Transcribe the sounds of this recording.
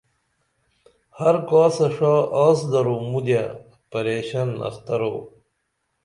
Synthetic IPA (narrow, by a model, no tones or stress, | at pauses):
hɐɾkaːsɐʂaːaːsd̪ɐɾomud̪ja | pɐɾeːɕɐnɐ̰xt̪ɐɾo̰ː